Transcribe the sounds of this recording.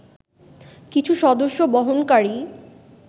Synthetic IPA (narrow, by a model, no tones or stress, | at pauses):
kit͡ɕʰuʃɔd̪oʃːobɔɦonkaɾi